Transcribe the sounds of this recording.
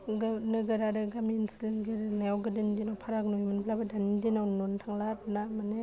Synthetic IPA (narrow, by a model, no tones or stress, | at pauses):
ɡanɯɡɯɾadɯɡaminsilŋɡɯɾɯnawɡɯdɯndinawpʰaɾak̚nojmɯnbʰlabɯdanidinawnontʰaŋlatnamane